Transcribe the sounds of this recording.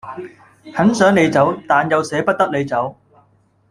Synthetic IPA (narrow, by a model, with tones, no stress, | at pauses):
hɐ˨˥nsœː˨˥ŋne˨˧jt͡sɐ˨˥wt̪aː˨njɐ˨˧wsɛː˨˥pɐ˥t̚t̪ɐ˥k̚le˨˧jt͡sɐ˨˥w